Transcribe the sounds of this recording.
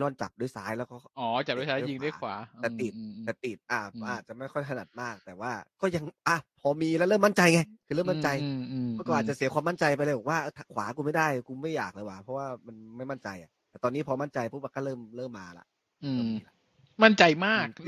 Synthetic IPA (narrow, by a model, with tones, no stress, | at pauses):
lɔː˥˩nt͡ɕa̰˨˩p̚duː˥˩˨jsaː˦˥jlɛː˦˥wkɔː˥˩ʔɔː˨˩˦t͡ɕa˨˩p̚duː˦˥˩saː˦˨ji˧ŋdaː˥˩˨kʰwa̰ː˩˦ɛ˨˧t̪i˨˩t̪̚ːɛː˨˩t̪i˨˩t̪̚ʔaː˧˩ʔaː˨˩t̪̚t͡ɕa˨˩ma˥˩jkʰɔ˥˩jt̪ʰa˧na˨˩t̪̚maː˥˩k̚t̪ɛː˨˩waː˥˩kɔː˥˩ja˧ŋʔa˧˩pʰɔː˧miː˧lɛ˦˥lɤː˥˩ma˥nt͡ɕa˧jŋa˧jkʰɯː˧ɤː˥˩ma˥˩nt͡ɕa˧jʰɔː˥˩kɔː˥˩ʔaː˨˩t͡ɕa˨˩si˩˦kʰwaː˧ma˥˩nt͡ɕa˧jpa˧laː˧˩bɔː˨˩kwaː˥ʔɤː˧˩t̪ʰa˧˩kʰwaː˩˦ku˧ma˥˩jda˥˩jkuː˧ma˥˩jaː˨˩k̚laː˧˩jwa˨˧˩pʰɔ˦˥waː˥˩ma˧nma˥˩jma˥˩nt͡ɕa˧jʔa̰˨˩t̪ɛ˨˩t̪ɔː˧nːiː˦˥˩pʰɔː˧ma˥˩nt͡ɕa˧jpʰu˦˥t̚wa˧kaː˥˩lɤː˥˩mlɤː˥˩mːaː˧la̰˨˩ʔ | ɔ˥i˧˩la˧˩ | ma˥˩nt͡ɕa˧jmaː˥˩k̚